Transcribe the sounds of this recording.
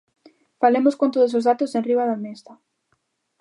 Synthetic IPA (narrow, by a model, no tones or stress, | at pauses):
falemoskõnt̪oðos̬ozðat̪osẽnriβaðamest̪a